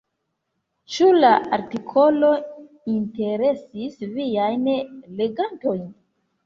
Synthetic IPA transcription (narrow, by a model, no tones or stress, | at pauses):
t͡ʃulaaɾtikʰo̞lo̞ | inte̞ɾe̞sisviajnle̞ɡanto̞jn